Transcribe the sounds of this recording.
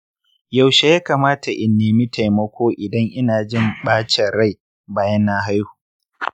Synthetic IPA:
ja˨wʃe˦jaː˦kaː˨maː˦ta˨ʔɪ˨nːeː˨mi˦tʰa˨jmɐ˦kʷoː˦ʔɪ˨dɐ˦ŋʔɪ˦naː˨d͡ʒɪ˦˨mɓaː˦t͡ʃɛ˨ɾa˦˨j | baː˦jɐ˦nːa˦ɦa˦jhu̥ː˨

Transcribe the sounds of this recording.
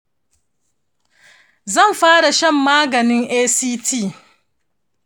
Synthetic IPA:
zɐ˦˨mɸaː˦ɽa˨ʃɐ˦mːaː˦ɡɐ˨nɪ˦ŋʔeː˦siː˦tʰiː˦˨

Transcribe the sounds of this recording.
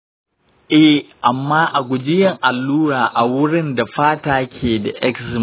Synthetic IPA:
ʔɛ˦ʔa˨mːaː˦ʔa˨ɡʷʊ˨d͡ʒɪ˦jɐ˨ŋʔa˨lːuː˦ɾaː˨ʔa˨wʊ˦ɽɪ˦nda˨ɸaː˦taː˦kʲʰeː˨da̰˨ʔɛ˦ksɪ˨˦

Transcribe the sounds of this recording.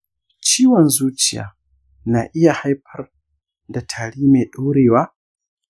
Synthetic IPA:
t͡ʃiː˦wɔ˨nzuː˦t͡ʃɪ˨ja̰ː˨ | naː˨ʔɪ˦ja˨ha˦jɸɐ˦r | da˨tʰaː˨ɽiː˦me˨ɗu˦wɽeː˨waː˦

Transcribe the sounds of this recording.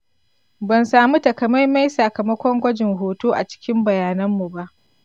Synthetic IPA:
bɐ˨nsaː˨mu˦tɐ˨kɐ˨ma˦jma˦jsɐ˨kɐ˨mɐ˦kʷɔ˦ŋɡʷɐ˦d͡ʒɪ˨ŋɦoː˨toː˦ʔa˨t͡ʃɪ̥˦kʲɪ˦mbɐ˨jaː˨nɐ˦mːu˨ba˦ʔ

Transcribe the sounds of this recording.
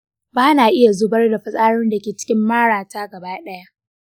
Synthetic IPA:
baː˦naː˨ʔɪ˦ja˨zʊ˦bɐ˦rda˨ɸɐ˦sʼaː˦ɽʊ˦nda˨kʲeː˨t͡ʃɪ̥˦kʲɪ˦mːaː˦ɽaː˨taː˦ɡɐ˨baː˦ɗɐ˦ja˦ʔ

